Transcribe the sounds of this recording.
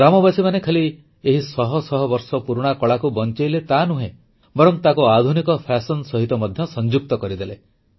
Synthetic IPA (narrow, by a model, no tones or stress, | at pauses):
ɾamɔbasimanekʰeli | eɦisɔɦɔsɔɦɔbɔɾsɔpuɾuɽ̃akɔɭakubɔnt͡ʃejlet̪anuɦẽ | bɔɾɔŋt̪akuad̪ʱunikɔpʰasɔnsɔɦit̪ɔmɔd̪ʱjɔsɔnd͡ʒuk̚t̪ɔkɔɾid̪ele